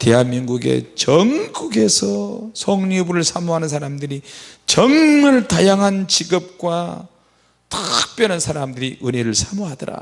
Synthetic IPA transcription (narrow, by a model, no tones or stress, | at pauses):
te̞ɦanminɡuɡe̞̰t͡ɕʌŋɡuɡe̞sʰʌsʰʌŋɲibuɾɯɭsʰamuɦanɯns̬ʰaɾamdɯɾit͡ɕʌŋmɯɭtajaŋɦant͡ɕiɡɯp̚k͈wa | tɯk̚p͈jʌnansʰaɾamdɯɾiʔɯneɾɯɭsʰamuɦadʌɾa̰